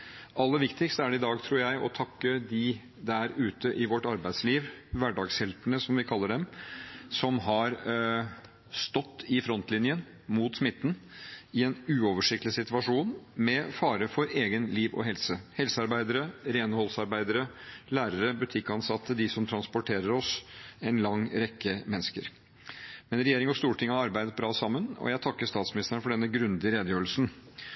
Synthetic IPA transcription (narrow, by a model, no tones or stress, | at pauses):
ʔɑlːəʋɪkt̪ɪkst̪əæɖɛɪd̪ɑːɡt̪ʰɾuːɾjæɪʔɔt̪ʰɑkːəd̪ɪ | d̪æɾʉːt̪əʔɪʋɔʈːɑɾbæɪd̪sliːʋʋæɖɑːɡshɛlp̪əɳəsɔmʋɪkʰɑlːəɖɛmsɔmɦɑɾ | st̪ɔt̪ːɪfɾɔnt̪lɪnjən | mut̪smɪt̪ːn̩ɪɛnʉːɔʋəʂɪkt̪lɪsɪt̪ʋɑʂuːnmɛfɑːɾəfɔɾeːɡənliːʋɔ̰ɦɛlsəhɛlsəɑɾbæɪd̪əɾəɾeːnəhɔlsɑɾbæɪd̪əɾəlæːɾəɾəbʉt̪ʰɪkːɑnsɑt̪ːəd̪ɪsɔmt̪ʰɾɑnspɔʈʰeːɾəɾɔsɛnlɑŋːɾɛkːəmɛnːəskəɾ | mɛnɾɛjeːɾɪŋɔst̪uːʈʰɪŋːɑɾɑɾbæɪd̪ət̪̚bɾɑːsɑmːənɔ̰jæɪt̪ʰɑkːəʂt̪ɑːt̪smɪnɪst̪ɾəɳfɔɖɛnːəɡɾʉnd̪ɪɾeːd̪əjøːɾəlsn̩